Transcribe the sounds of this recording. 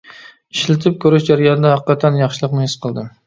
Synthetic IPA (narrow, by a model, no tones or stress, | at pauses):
iʃlɪt̪ʰɪp̚kʲʰøɾɪʃd͡ʒæɾijɑnɨd̪ɑhæqqːɑt̪ʰɛnjɑχʃɨlˠəqnɨhɪsqʰəlˠd̪ɨ